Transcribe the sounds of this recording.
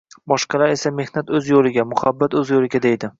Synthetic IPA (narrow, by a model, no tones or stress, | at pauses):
bɒʃqɑlaɾe̞same̞hnat̪ɵzjolˠɪɡʲamʊhabːat̪ɵzjolɪɡʲad̪e̞jd̪ɪ